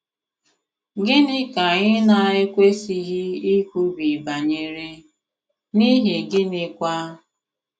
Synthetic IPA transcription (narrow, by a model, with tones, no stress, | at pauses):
ɡɪ˦nɪ˦ka˨ɣɪ˦na˦˨e˦kʷe˦si˦ɦi˦i˦kʷu˦bi˨ba˨ɲe˦ɾe˦ | ni˦ɦɪ˨ɡɪ˦nɪ˦kʷa˦